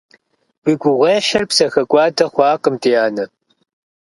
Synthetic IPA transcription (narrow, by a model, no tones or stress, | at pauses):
b̥iɡʷʊʁʷeːħɐrpsɐxɐkʷʼɑːdɐχʷɑːqəmtʰʼiaːnɐ